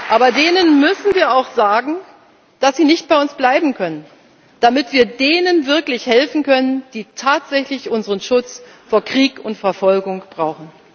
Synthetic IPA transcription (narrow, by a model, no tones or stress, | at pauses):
ʔaːbɐdeːnənmʏsn̩viːɐaʊxz̥aːɡŋ̩ | d̥asz̥iːnɪçt̚b̥aɪʊnsb̥laɪbm̩kʰœnən | d̥amɪtv̥iːɐdeːnənvɪɐklɪçhɛlfn̩kʰœnənd̥iːtʰaːtz̥ɛçlɪçʔʊnzəʁənʃʊt͡s | foːɐkʁ̥iːkʊntfɛɐfɔlɡʊŋb̥ʁaʊχn̩